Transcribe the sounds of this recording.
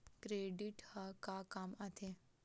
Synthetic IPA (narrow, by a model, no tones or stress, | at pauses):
kɾeːɖiʈhakakamat̪ʰe